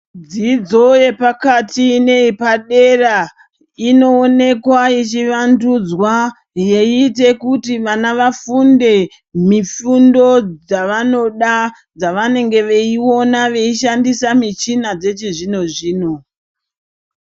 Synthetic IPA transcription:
d͡zid͡zo̞je̞pakatine̞ipaɗe̞ra | ino̞ːne̞kwait͡ʃiʋandud͡zwa | je̞ite̞kutiʋanaʋafunde̞ | mifundo̞d͡zaʋano̞ɗa | d͡zaʋane̞ŋɡe̞ʋe̞iwo̞naʋe̞iʃandisamit͡ʃinad͡ze̞t͡ʃiʐino̞ʐiːno̞

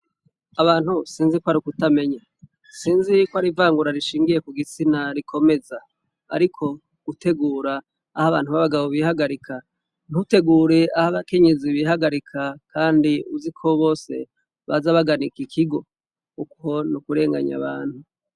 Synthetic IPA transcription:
aβaːn̥husiːnzikwaɾikutame̞ɲa | siːnzikwaɾivaːŋɡuɾaɾiʃiːŋɡije̞kuɡit͡sinaɾikʰo̞me̞za | a̰ɾikʰo̞ | ɡ̥utʰe̞ɡuːɾaː | haβa̰ːnhuβaβaɡaβoβihaɡaɾikʰa | n̥ute̞ɡuːɾe̞ahaβake̞ɲe̞ziβiɦaɡaɾikʰakʰaːndiuzikʰo̞βo̞ːse̞̰ | βa̰zaβaɡanikikʰiɡo̞ | ukʰo̞nukuɾe̞ːŋɡa̰ɲa̰βaːn̥hu

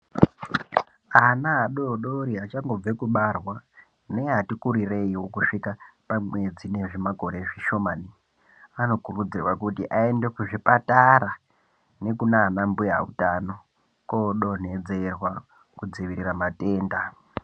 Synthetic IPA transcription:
anaːɗoɗo̞ɾiat͡ʃaŋɡo̞b͡vekuɓarwa | ne̞ɦatikuɾire̞iwo̞kuʂikapamwe̞d͡zine̞ʐimaɡʱo̞ɾeʐiʃo̞maːni | ano̞kurud͡zirwakutiʔae̞ndekuʐipataɾa | ne̞kunaːnambuja̰ṵtano̞ | koɗo̞n̤e̞d͡ze̞rwa | kud͡ziʋiɾiramate̞ːnda

